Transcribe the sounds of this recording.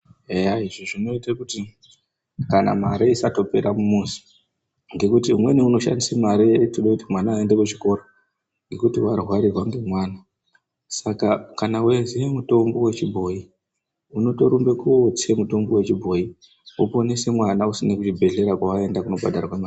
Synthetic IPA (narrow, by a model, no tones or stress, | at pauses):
ejaiʐiʐino̞itakuti | kana̰maɾeisato̞pe̞ɾamumuzi̥ | ŋɡe̞kutiumwe̞niuno̞ʃa̰ndisemaɾitoɗakutimwanaːende̞kut͡ʃiko̞ɾo | ŋɡe̞kutiwarɦwaɾirwaŋɡe̞mwaːna | sakakanawezemuto̞mbo̞we̞t͡ʃibʱo̞i | uno̞to̞ɾumbe̞kuot͡semuto̞mbo̞we̞t͡ʃibʱo̞i | opo̞nese̞mwanausinakut͡ʃibʱe̞ɮe̞ɾakwaʋae̞ndakuno̞ba̰dʱaɾakwemaːi